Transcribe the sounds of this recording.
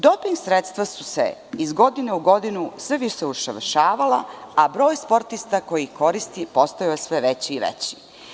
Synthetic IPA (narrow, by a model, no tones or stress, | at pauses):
d̪o̞piŋɡsɾet̪st̪ʋasu̥sḛizɡo̞d̪ineuɡo̞d̪inusʋeʋiʃeuʃaʋʃaːʋalaabɾo̞ːjspo̞ɾt̪ist̪ako̞jiko̞ɾist̪ipo̞st̪ajojesʋeʋet͡ɕiːʋḛt͡ɕi̥